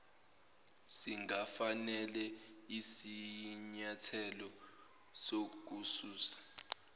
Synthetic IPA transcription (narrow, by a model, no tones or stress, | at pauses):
siŋafanɛlɛisiɲatʰɛlɔ | sok̬usuːsḁ